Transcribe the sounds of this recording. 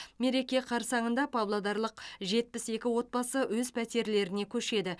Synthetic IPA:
me̞ɾe̞kʲeqʰɑɾsɑɴənd̪ɑpʰablˠad̪ɑɾlˠəqʒe̞t̪̚pɪse̞kʲɪwo̞t̪̚bɑsəwɵzpʰæt̪e̞ɾle̞ɾɪne̞kʲʰɵʃe̞d̪ɪ

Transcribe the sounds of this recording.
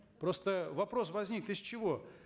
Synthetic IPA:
pɾo̞st̪əvɐpɾo̞svɐzʲnʲikt̪ɪsʲt͡ɕɪvo̞

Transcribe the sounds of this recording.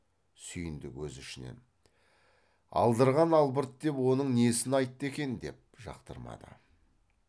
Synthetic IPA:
sʏjɪnd̪ɪkwɵzʏʃɪnḛn | ɑ̰lˠd̪əɾʁɑnɑlˠbəɾt̪d̪e̞pwo̞nəɴnesɪnɑjt̪ːəe̞kʲe̞nd̪e̞p̚ʒɑ̰qt̪əɾmɑ̰d̪ə̰

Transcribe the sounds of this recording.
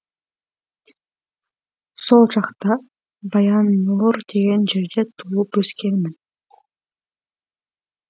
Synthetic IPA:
so̞lˠd͡ʒɑqt̪ɑ | bɑjɑnːuɾd̪e̞ɡend͡ʒe̞ɾd̪e̞t̪ʰuːupøskenmin

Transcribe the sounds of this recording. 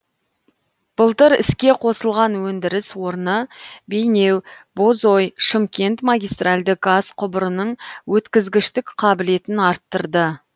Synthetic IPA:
b̥əlˠt̪əɾɪskʲe̞qʰo̞səlˠʁɑnwɵnd̪ɪɾɪswo̞ɾnəbejne̞wbozo̞jʃəmkʲe̞nt̪maɡʲijst̪ralʲd̪ɪk̚ɡazqʰʊbəɾənəɴwʔɵt̪kʲɪzɡʲɪʃt̪ɪkqʰɑbɪle̞t̪ɪnɑɾt̪ːəɾd̪ə

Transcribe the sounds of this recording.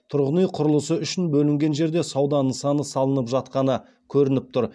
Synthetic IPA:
t̪ʰʊɾʁənijqʰʊɾlˠəsəʏʃɪnbɵlɪŋɡʲe̞nʒe̞ɾd̪e̞sɑwd̪ɑnəɴsɑnəsɑlˠənəpʒɑt̪̚qɑnə | kʲʰɵɾɪnɪp̚t̪ʰʊɾ

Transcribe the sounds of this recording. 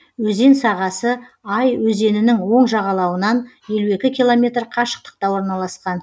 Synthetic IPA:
wɵze̞nsɑʁɑsəɑjwɵze̞nɪnɪŋwo̞ɴʒɑʁɑlˠɑwənɑnje̞lue̞kʲɪkʲilˠo̞mʲe̞t̪rqʰɑʃə̥q̚t̪ə̥q̚t̪ɑwo̞ɾnɑlˠɑsqɑn

